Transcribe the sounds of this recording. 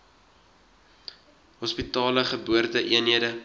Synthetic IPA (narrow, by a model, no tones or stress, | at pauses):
ɦɔspitɑːləχəbuərtəʔiənɦiədə